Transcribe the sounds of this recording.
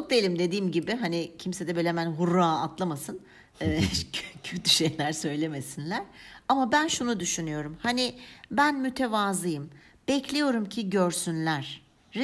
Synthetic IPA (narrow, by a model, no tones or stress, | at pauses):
t͡ʃʰok̚d̪ejlʲimd̪e̞d̪iːmɟibɪɦanɪcʰimsed̪ɛbølʲemænɦuɾːaːat̪ʰlˠamasɯn | ɛːcʰøt̪ʰyʃejlʲæɾsø̞jlʲe̞me̞sinlʲæɾ̥amabænʃunud̪yʃynyjo̞ɾumhanibænmyt̪ʰevaːzɯjɯm | b̥ɛcʰlʲejo̞ɾumcʰiɟøɾsynlʲæɾ̥